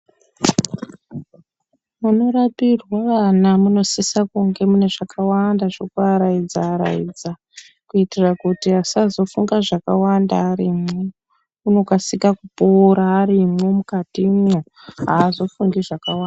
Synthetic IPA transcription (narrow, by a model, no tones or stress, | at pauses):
muno̞ɾapirwaʋanamuno̞sisakuŋɡe̞mune̞ʐakʰawandaʐokuaɾaid͡zaːɾa̰ḭd͡za | kuitirakutiɦasazo̞fuŋɡaʐakawandaːɾimwe | uno̞kasikakupoɾaːɾimwemukatimwo | ɦaːzo̞fuŋɡiʐakawanda